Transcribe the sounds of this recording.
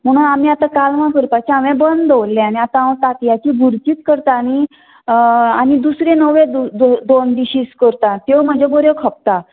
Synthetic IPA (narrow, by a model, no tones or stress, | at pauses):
m̤əɽ̃unamiat̪ãkalmãkəɾpat͡ɕeaʋẽbənd̪d̪llːɛ̃aɽ̃iat̪ãat̪ak̪jat͡ɕiːɡʱuɾt͡ɕiːt̪kəɾt̪aːñi | añid̪usɾẽnəʋẽd̪d̪od̪ond̪iɕiːskəɾt̪at̪ewm̤əd͡ʑʱeboɾekʰəp̚t̪a